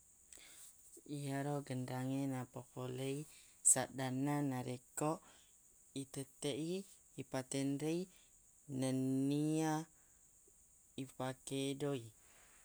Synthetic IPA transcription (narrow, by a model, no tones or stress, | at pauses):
iaɾoɡəndaŋenapɔkolei | saʔdananaɾekɔʔ | it̪ət̪eʔiː | pat̪ɛnɾei | nənia | ipakedoi